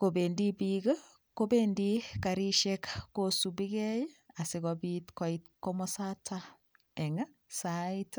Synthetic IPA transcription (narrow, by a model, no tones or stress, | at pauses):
kobendibiɡɐ | kobendikaɾiʃekkosubiɡɛjasiɡɔbitkɔitkomɔsatʰa | ɛŋasait